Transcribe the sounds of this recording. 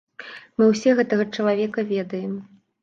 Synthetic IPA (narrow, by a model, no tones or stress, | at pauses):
mɨwsʲɛɣɛt̪ɐɣɐt͡ʂɐlˠavʲɛkɐvʲɛd̪ɐjɛm